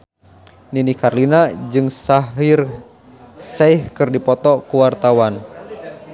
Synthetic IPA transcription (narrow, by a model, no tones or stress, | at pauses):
ninikarlinad͡ʒɨŋsaɦir | sɛihkɨrdipɔt̪ɔkuwart̪awan